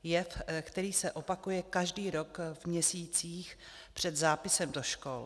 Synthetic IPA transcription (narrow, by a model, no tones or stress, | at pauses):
jɛfkt̪ɛɾiːsɛʔopakujɛkaʒdiːɾokvmɲɛsiːt͡siːx | pr̝̥ɛd̪zaːpɪsɛmdoʃko̰l